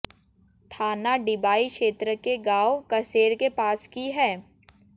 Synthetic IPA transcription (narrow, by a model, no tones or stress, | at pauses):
t̪ʰaːnaɖɪbaːikʃeːt̪ɾəkeɡaːokɐseːɾkepaːskiɦɛː